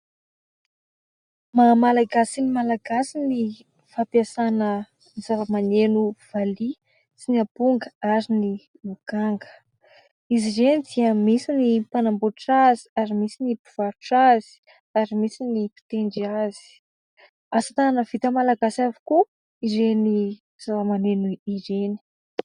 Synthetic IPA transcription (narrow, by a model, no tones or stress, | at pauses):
mamalaɡasinimalaɡasini | fapiasanə | nizaləmanenuv̥ali | sinapuŋɡəaɾini | mukaŋɡə̥ | izizenid̪iəmisinipanamboʈ͡ʂaziaɾimisinibiv̥aɾuʈ͡ʂazi̥ | aɾimisinipi̥t̪eɳɖ͡ʐiazi̥ | asat̪ananəv̥it̪əmalaɡasavi̥ku | iɾeni | z̥alamanenuiɾeni̥